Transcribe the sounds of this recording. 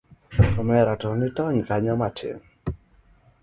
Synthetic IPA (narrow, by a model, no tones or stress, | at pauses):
ɔmɛɾatɔnitɔɲkaɲɔmatʰḛŋ